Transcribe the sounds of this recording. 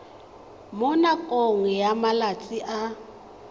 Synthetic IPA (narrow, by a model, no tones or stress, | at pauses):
mʊnakʼoŋ̩jamalat͡sʼiʔa